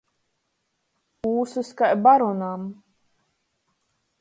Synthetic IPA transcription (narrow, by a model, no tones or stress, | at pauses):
uːsɨskajbaɾɔnam